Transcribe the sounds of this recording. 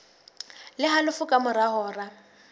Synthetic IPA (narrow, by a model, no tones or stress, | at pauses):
lɪɦalʊfʊkʼamʊɾaɦɔːra